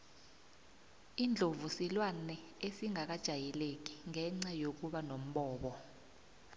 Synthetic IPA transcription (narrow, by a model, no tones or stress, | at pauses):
iːnd͡ɮʱovusilwanɛ | esiŋʱak̬ad̥ʒ̥ʱajɛlek̬iŋɛŋ͡ǀajok̬uɓanom̩ɓɔːɓɔ